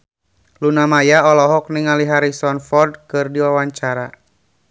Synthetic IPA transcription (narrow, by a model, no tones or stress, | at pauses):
lunamajaɔlɔɦɔk̚niŋaliɦaɾisɔnfɔrdkɨrdiwawaɲt͡ʃaɾa